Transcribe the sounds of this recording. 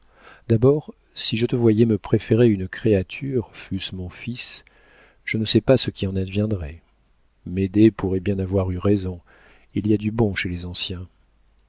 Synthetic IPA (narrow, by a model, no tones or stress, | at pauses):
d̪abɔːʁ | siʒət̪əvwajɛməpχefeʁeynkχeat̪ʰyʁfysmɔ̃fis | ʒ̥ənəsɛpasəkʲiɑ̃nad̪vjɛ̃d̪ʁɛ | med̪epuʁɛbjɛ̃navwaʁyʁɛzɔ̃ | iliad̪ybɔ̃ʃelezɑ̃sjɛ̃